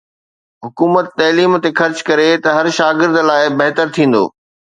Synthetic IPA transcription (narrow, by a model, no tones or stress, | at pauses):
ɦʊkuːmət̪ːɐːliːmt̪exɐɾt͡ɕkɐɾet̪ɐɦɐɾʃaːɡɪɾd̪laːɪbɐɦt̪əɾt̪ʰĩːn̆d̪o̰ː